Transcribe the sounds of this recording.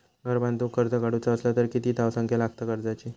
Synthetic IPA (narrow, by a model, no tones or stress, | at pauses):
ɡʱəɾbãnt̪ukəɾd͡zəkaɽut͡saəslat̪əɾkit̪iːt̪aʋsə̃ŋkʰjalaɡt̪akəɾd͡zat͡ɕiː